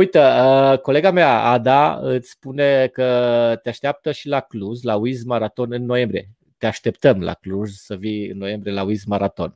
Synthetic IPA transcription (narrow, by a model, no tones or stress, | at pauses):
ujt̪əəko̞le̞ɡameaa̰d̪aɨt̪sʲspune̞kət̪eaʃt̪eap̚t̪əʃilakluzlauizmaɾat̪o̞nɨnːo̞jembɾie | t̪eaʃt̪e̞pt̪əmla̰kluzsəviɨ̰nːo̞je̞mbɾie̞lauizmaɾat̪o̞̰n